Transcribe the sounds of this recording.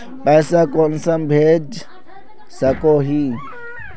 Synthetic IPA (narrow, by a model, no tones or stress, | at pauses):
pɛjsakɔnsambʱed͡ʒ | sɐkoɦi